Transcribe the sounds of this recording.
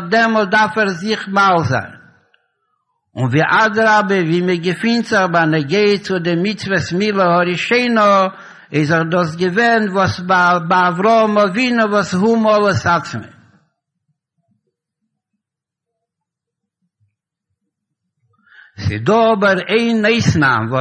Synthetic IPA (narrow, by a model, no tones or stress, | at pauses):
dɛmɔlt̚daɾfɛɾzɪχmalˠza̰ɪn | ʊnviːʔadəɾabəviːməɡəfɪntzəχbanəɡeɪət͡sʊdɪmit͡svəsmilˠəhɔɾiʃeɪnɔ | ɪzəχdɔs̬ɡəvɛnvɔsbabaːvɾɔɔmɔvinɔvɔshumɔlˠəsat͡smḭ | sɪ̰dɔɔbəɾeɪneɪsna̰mvɔ